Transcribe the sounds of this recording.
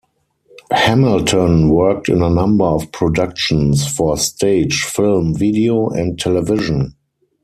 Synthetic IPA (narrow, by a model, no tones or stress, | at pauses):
hæmɪltʰə̃nwɜ˞k̚tɪ̰̃nənãmbə˞ɔfpʰɹɔdakʃə̃nsfɔstʰeɪd͡ʒfɪlmvidioʔɛ̃ntʰɛlɛvɪʒə̃n